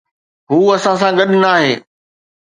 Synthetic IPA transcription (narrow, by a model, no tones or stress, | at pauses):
ɦuːɐsãs̬ãɡɐɗnaːɦeː